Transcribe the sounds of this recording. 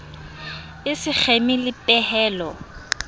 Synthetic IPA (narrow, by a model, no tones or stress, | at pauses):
ɪsɪk͡xʰemilɪpʼɛhɛːlɔ